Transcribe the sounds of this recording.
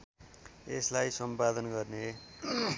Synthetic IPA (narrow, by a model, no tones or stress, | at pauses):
eslajsʌmpad̪ʌnɡʌrne